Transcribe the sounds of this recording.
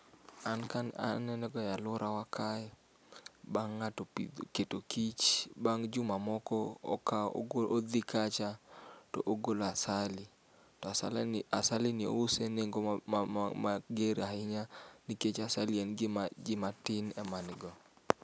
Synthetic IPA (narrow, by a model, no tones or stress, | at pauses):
ankana̰nɛnɛɡɔjalʊɾawakʰaj | baŋːatɔpiketokit͡ʃbaŋd͡ʒʊmamɔkɔɔ̰ka̰ood̪ɪkat͡ʃatɔ̰ʔoɡoloasalɪ | tɔasa̰lasalɪnɪo̰useneŋɡo | maɡeɾahɪɲaniket͡ʃasalienɡɪmd͡ʒɪmatɪnɛmanɪɡɔ